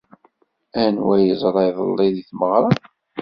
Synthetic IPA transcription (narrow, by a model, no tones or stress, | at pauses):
ænwæjəzˤɾˤɑjðˤə̰lːɪðiθməʁɾˤɑ